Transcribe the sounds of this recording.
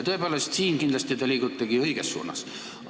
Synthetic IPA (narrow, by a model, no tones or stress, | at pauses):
t̪o̞epeːle̞st̪siːnkind̪lɑst̪it̪ɑlʲiːɡ̥ut̪ˑːɑɡ̥iɤjɡ̥esːṵːnɑ̰s